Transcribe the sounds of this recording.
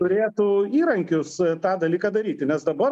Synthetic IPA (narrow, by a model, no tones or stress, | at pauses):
ʊɾʲeːt̪ʊiːɾɐŋʲkʲʊst̪ɑːd̪ɐlʲiːkɑːd̪ɐɾʲiːt̪ʲɪnʲɛsd̪ɐbɐr